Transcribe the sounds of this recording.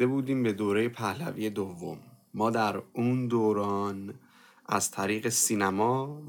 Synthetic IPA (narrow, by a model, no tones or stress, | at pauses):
d̪ebuːd̪iːmbe̞d̪oːɾejepʰæhlæ̰viːje̞d̪ovːo̰mːɒːd̪æɾuːnd̪oːɾɒːn | ʔæ̰z̥t̪ʰæɾiːɣe̞siːnæmɒː